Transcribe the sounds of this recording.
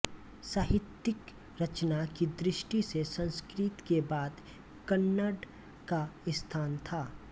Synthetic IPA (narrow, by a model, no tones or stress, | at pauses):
saːɦɪt̪ːɪk | ɾɐt͡ʃnakid̪ɾɪʃʈisesɐ̃nskɾɪt̪kebaːd̪ | kənːəɖ | kaɪst̪ʰaːnt̪ʰaː